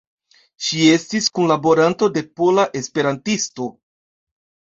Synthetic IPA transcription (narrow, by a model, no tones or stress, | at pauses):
ʃie̞stiskunlabo̞ɾanto̞de̞polaʔe̞spe̞ɾantisto̞